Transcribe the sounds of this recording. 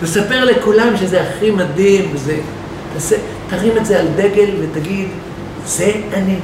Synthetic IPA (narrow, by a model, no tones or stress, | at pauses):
t̪esape̞ʁlekulamʃezeaχimad̪imveze | t̪ase | t̪aʁimetzeald̪e̞ɡe̞lvet̪aɡid̪ | z̥e̞ani